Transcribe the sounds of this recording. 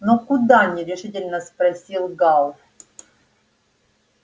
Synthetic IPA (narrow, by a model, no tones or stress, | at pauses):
nokʊd̪anʲiɾʲɪʂɨtʲɪlʲnəspɾɐsʲilˠɡalˠ